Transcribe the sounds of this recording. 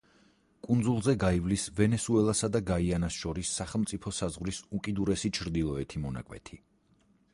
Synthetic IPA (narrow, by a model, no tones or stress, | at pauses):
kʼund̪zulˠzɛɡaivlisvɛnɛsuɛlˠasad̪aɡaianasʃɔɾisːaχɛlˠmt̪sʼipʰɔsazʁvɾisukʼid̪uɾɛsit͡ʃʰɾd̪ilˠɔɛt̪ʰimɔna̰kʼwɛ̰t̪ʰi